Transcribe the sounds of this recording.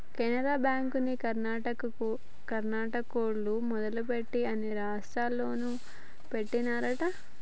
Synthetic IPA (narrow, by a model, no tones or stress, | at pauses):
kɛnɐɾaːbaːŋkunikɐɾnaːʈɐkɐku | kɐɾnaːʈɐkoːɽlumɔd̪ɐlupe̞ʈːiɐniɾaːʂʈɾaːlːo̞ːnu | pe̞ʈːinaːɾɐʈɐ